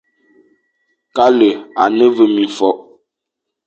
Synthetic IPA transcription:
ka˦lə˨a˨nə˦və˨mĩ˨fɔ˦ʔ

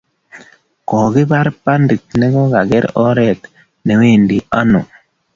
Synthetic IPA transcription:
kɔ˨ɡɪ˦ba˦ɾpa˦ndi˨t̚nɛ˦ɡɔ˦ɡa˨ɡɛ˦ɾɔ˦ɾɛ˦t | ne˨we˦˨ndi˨a˦nɔ˨

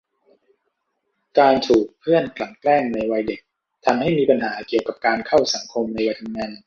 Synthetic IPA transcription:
kaː˧nt̪ʰuː˨˩k̚pʰɯ˥˩ənkla˨˩ŋklɛː˥˩ŋna˧jwa˧jde˨˩k̚ | t̪ʰa˧mha˥˩jmiː˧pa˧nɦaː˩˦ki˨˩əwka˨˩p̚kaː˧nkʰa˥˩wsa˩˦ŋkʰo˧mna˧jwa˧jt̪ʰa˧mŋaː˧n

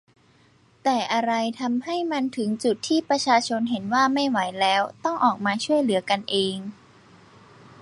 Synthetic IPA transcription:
t̪ɛː˨˩ʔa˧ɾa˧jt̪ʰa˧mha˥˩jma˧nt̪ʰɯ˩˦ŋt͡ɕu˨˩t̪ʰːiː˥˩pɾa˧t͡ɕʰaː˧t͡ɕʰo˧nɦe˩˦nwaː˥˩ma˥˩jwa˩˦jlɛː˦˥wt̪ɔ˥˩ŋʔɔː˨˩k̚maː˧t͡ɕʰu˥˩əjlɯ˩˦ɐka˧nʔeː˧ŋ

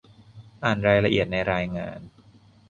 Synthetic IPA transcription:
ʔaː˨˩nɾaː˧jla˧ʔi˨˩ət̪̚na˧jɾaː˧jŋa̰ː˧n

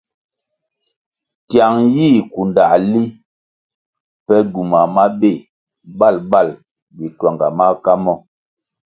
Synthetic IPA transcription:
tja˨ŋjiː˦˨ku˨nda˨li˦ | pɛ˦ɡu˨ma˨ma˦be˦˨ | ba˦˨lba˦˨l | bi˨twa˨ŋɡa˨ma˦ka˦mɔ˦˨

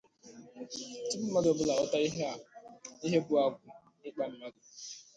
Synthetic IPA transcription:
tɪ˦m̩˦ma˦dɔ˨bʊ˦la˨ɔ˦ta˦i˦ɦe˦a˨i˦ɦe˦bʊ˨a˨ɡʷʊ˨ | ɪ˦k͡pa˨m̩˦ma˦dʊ˨

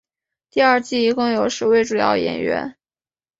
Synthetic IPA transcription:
t̪i˥˧ɐ˞˥˧t͡ɕi˥˩i˧˥kʊ˥˩ŋjo˨˩ʊʂɻ̩˧˥we˥˩ɪʈ͡ʂu˨˩jɑ̰˥˩ʊjɛ̰˨˩nɥɛ̰˧˥n

